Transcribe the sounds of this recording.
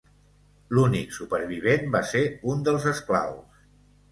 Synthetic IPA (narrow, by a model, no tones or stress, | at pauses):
luniksupəɾβiβ̞enbaseund̪əlˠzəskla̰ws